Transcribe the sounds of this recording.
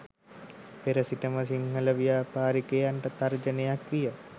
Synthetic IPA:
peɾəsitəməsiŋhələʋijaːpaːɾikejanʈət̪ard͡ʒənejakʋijə

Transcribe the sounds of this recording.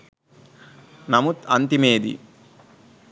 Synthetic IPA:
nɐmut̪ɐnt̪imeːd̪ḭ

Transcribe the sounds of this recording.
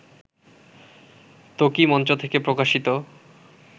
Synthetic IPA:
t̪okimɔnt͡ɕot̪ʰekepɾokaʃit̪o

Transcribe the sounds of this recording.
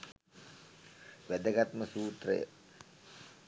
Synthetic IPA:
ʋæd̪əɡat̪məsuːt̪rə̰jə̰

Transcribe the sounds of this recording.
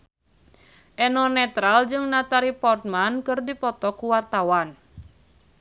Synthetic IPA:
ʔɛnɔnɛt̪ɾald͡ʒɨŋnat̪aɾipɔrt̪̚mankɨrdipɔt̪ɔkuwart̪awan

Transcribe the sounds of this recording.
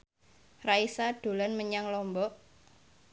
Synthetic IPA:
raisaɖ̪̥o̤lanməɲaŋlɔmbɔʔ

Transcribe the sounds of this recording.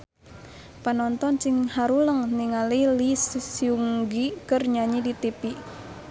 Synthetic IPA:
panɔnt̪ɔnt͡ʃiŋhaɾuləŋniŋalilissiuŋɡikərɲaɲidit̪ipi

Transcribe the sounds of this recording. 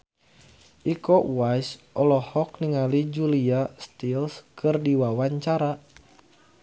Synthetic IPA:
ʔikɔwajsʔɔlɔhɔk̚niŋalid͡ʒuliast̪ilskʰɨrdiwawaɲt͡ʃaɾa

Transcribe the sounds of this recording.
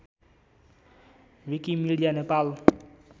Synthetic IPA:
wikimiɖijanepal

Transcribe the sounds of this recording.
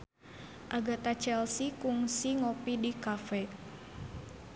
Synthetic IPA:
ʔaɡat̪at͡ʃɛlsikuŋsiŋopidikafɛ

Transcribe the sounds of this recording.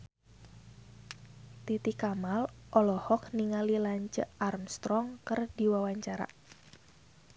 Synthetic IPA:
t̪it̪ikamalʔɔlɔhɔk̚niŋalilaɲt͡ʃəarmst̪ɾɔŋkərdiwawaɲt͡ʃaɾa̰

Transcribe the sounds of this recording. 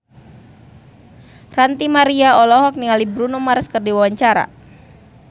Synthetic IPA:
rant̪imaɾiaɔlɔɦɔk̚niŋalibɾunumarskərdiwawaɲt͡ʃaɾa̰

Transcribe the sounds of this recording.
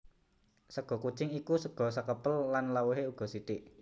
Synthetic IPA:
səɡ̥ɔ̤kut͡ʃɪŋikusəɡ̥ɔ̤səkəpəlːanlawuɦeuɡ̥ɔ̤sit̪ɪʔ

